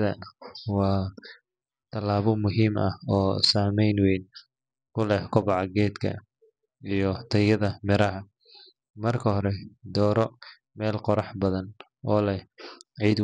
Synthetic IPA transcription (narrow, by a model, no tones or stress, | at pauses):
ðɐwɑː | t̪ʰɐlaːβɔmʊɦiːmɐ̰hɔːsaːmɛjnwɛjn | kʰʊlɛhkʰʊβɑʕɑɡɛːd̪kʰɐ̰ | ijɔt̪ʰɐjɐðɐmɪɾɐɦɐ | mɐrkʰɐhɔɾɛd̪ɔːɾɔ | mɛːlqɔɾɑħbɐðɐn | ʔɔːlɐʕiːd̪